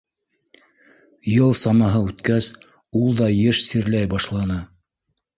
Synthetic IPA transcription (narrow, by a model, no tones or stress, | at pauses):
jɤlˠsɑmɑɦɤʉt̪kæs | ulˠd̪ɑjɘʃsiɾlæjbɑʃlˠɑnɤ